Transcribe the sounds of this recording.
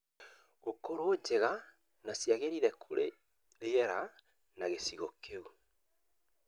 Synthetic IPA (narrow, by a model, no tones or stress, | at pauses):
okoɾoːd͡ʒeɣa | nasjaɣeɾiɾɛkʰoɾe | ejɛɾa | naɣesiɣokʰeu